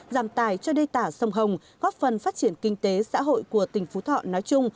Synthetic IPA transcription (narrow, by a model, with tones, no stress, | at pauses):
zaː˧˩mt̪aː˨˩jt͡ɕɔ˧ɗe˧t̪aː˧˩sə˧wŋ͡mɦə˨˩wŋ͡m | ɣɔ˦˥p̚fə˨˩nfaː˦˥t̚t͡ɕi˧˩ənkï˧ŋ̟t̪e˨˦sa̰ː˧˥ɦo̰˧˨jku˧˩ət̪ï˨˩ŋ̟fu˨˦t̪ʰɔ̰˧˨nɔ˨˦jt͡ɕʊ˧ŋ͡m